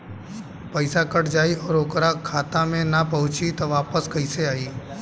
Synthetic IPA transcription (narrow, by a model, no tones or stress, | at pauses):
pəɪsakəʈʰd͡ʒaːiɔːɾokɾakʰːaːt̪ãmẽnapəɦʊ̃t͡ʃit̪ɔʋaːpəskəɪseaːiː